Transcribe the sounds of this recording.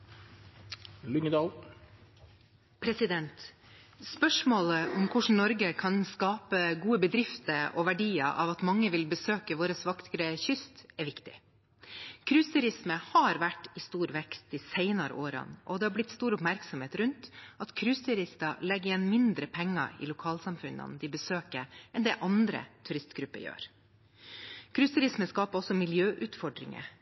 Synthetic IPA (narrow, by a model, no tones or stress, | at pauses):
lʏŋəd̪ɑːl | pʰɾɛsɪd̪ɛnt̪ | spœʂmoːləʔɔmkʰʊʂɳ̩nɔɾɡəkʰɑnskɑːpəɡuːəbəd̪ɾɪft̪əɾɔʋæɖiːə̰ʔɑ̰ʋɑt̪mɑŋːəʋɪlbəsøːkəʋoːɾəsʋɑkt̪ʰɾəçʏst̪ɛɾʋɪkt̪ɪ̰ | kʰɾʉːst̪ʉɾɪsməhɑɾʋæʈːɪst̪uːɾʋɛkst̪ɪsɛɪnɑɾə̰ʔoːɾɑ̰nʔɔd̪ɛhɑɾblɪt̪st̪uːɾʊpmæɾksɔmheːt̪ɾʉnt̪ɑt̪kʰɾʉːst̪ʰʉɾɪst̪ɑlɛɡəjɛnːmɪnd̪ɾəpʰɛŋːɑ̰ɾɪ̰lʊkʰɑːlsɑmfʉnːɑ̰nd̪ɪbəsøːkəʔɛnd̪ɛʔɑnd̪ɾə̰t̪ʰʉɾɪst̪ɡɾʉpːə̰jø̰ːɾ | kʰɾʉːst̪ʉɾɪsməskɑːpəɾɔsːɔmɪljøːʔʉːt̪fɔɖɾɪ̰ŋə̰